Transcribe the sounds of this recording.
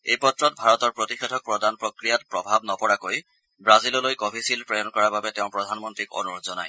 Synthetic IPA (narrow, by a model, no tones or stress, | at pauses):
ejpɔtɹɔtbʱaɹɔtɔɹpɹɔtixedʱɔk̚pɹɔdanpɹokɹijatpɹɔbʱabnɔpɔɹakoj | bɹazilɔlojkɔbʱisilpɹejnkɔɹababɛteʊ̃pɹɔdʱanmɔntɹiko̰nuɹozɔna̰j